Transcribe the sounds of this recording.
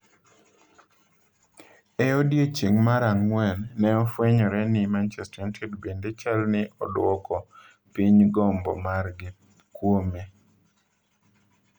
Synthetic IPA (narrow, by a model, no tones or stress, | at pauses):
ɛɔdjet͡ʃiŋmaɾaŋːwɛnːɛɔfwɛɲɔɾɛnɪmant͡ʃɛstɾantʰedbendet͡ʃalnɪʔɔdwɔkɔ | piɲɡɔmbɔ̰marɡɪ | kwome